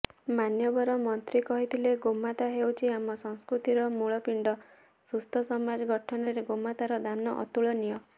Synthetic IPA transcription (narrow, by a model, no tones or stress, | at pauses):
manjɔbɔɾɔmɔnt̪ɾikɔɦit̪ʰileɡomat̪aɦewt͡ʃʰiamɔsɔŋskɾut̪iɾɔmuɭɔpiɳɖɔ | sust̪ʰɔsɔmad͡ʒɔɡɔʈʰɔnɔɾeɡomat̪aɾɔd̪anɔʔɔ̰t̪uɭɔnijɔ